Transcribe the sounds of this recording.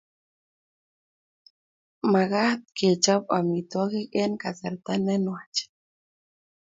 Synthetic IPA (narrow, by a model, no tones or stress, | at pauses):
maɣaht̪̚ket͡ʃabamit̪waɣekenkat͡saɾt̪anenwat͡ʃ